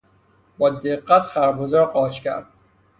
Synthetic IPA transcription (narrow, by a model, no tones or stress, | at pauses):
bɒːd̪eqːæt̪ʰχæɾbozɒːɾqɒːt͡ʃcʲæ̰ɾd̪̥̚